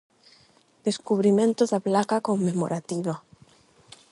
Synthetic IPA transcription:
d̪̥eskuβɾimẽnt̪oðaplakakomːemo̰ɾat̪iβa

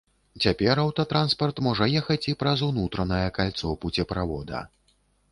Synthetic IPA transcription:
t͡sʲapʲɛɾawt̪ɐt̪ɾanspɐrt̪mɔʐɐjɛxɐt͡sʲipɾɐzunut̪ɾɐnɐjɐkalʲt̪sɔwput͡sʲɛpɾavɔd̪ɐ̰

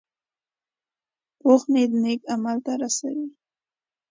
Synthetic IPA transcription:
poxned̪ənekamalt̪aɾasa̰wi

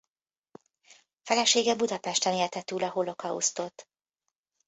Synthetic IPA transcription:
fɛlɛʃeːɡɛbud̪ɒpɛʃt̪ɛneːrt̪ɛt̪uːlɒɦolo̞kɒṵst̪o̞t̪

